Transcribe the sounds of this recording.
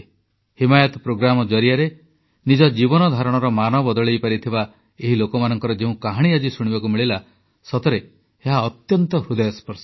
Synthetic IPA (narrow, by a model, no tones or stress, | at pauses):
himajɔt̪ɔpɾoɡɾamɔd͡ʒɔɾiaɾe | nid͡ʒɔd͡ʒibɔnɔd̪ʱaɾɔɽ̃ɔɾɔmanɔbɔd̪ɔɭejpaɾit̪ʰiba | eɦilokɔmanɔŋkɔɾɔd͡ʒeũkaɦaɽ̃iad͡ʒisuɽ̃ibakumiɭila | sɔt̪ɔɾe | eɦaɔt̪jɔnt̪ɔhud̪ɔjɔspɔɾs